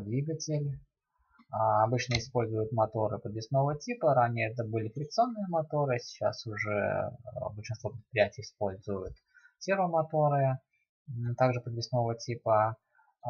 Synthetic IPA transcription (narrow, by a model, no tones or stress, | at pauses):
d̪vʲiɡətʲɪlʲ | ɐbɨt͡ɕnəɪspolʲzʊjʊt̪mɐt̪o̞ɾɨpəd̪vʲɪsno̞vətʲipəɾanʲɪjəɛt̪əbɨlʲɪkɾʲɪkt̪sɨonːɨjəmɐt̪o̞ɾɨsʲɪ̥t͡ɕa̰sʊʐɛ̰bəlʲʂɨnst̪vopɾʲɪt̪pɾʲɪjætʲɪjɪspo̞lʲzʊjʊt̪ | sʲeɾvəmɐt̪o̞ɾɨ | t̪aɡʐɨpəd̪vʲɪsno̞vətʲipə